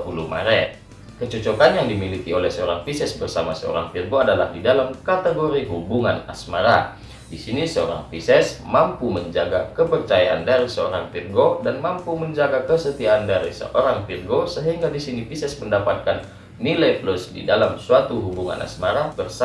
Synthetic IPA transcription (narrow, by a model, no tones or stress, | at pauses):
uluma̰ɾɛt | kət͡ʃɔt͡ʃokanjaŋdimilikiolɛhsəoɾaŋpisɛsbərsamasəo̰ɾa̰ŋpirɡoadala̰hdidalamkat̪eɡoɾiɦubuŋana̰smaɾa̰ | disinisəo̰ɾa̰ŋpisɛsmampuməɲd͡ʒaɡakəpərt͡ʃajaʔandaɾisəoɾaŋpirɡodanmampuməɲd͡ʒaɡakəsət̪iaːndaɾisə̰ʔoɾaŋpirɡosəɦiŋɡadisinipisɛsməndapat̪̚kanː | ilajplusdḭdalamsuat̪uɦubuŋa̰nʔa̰smaɾabərs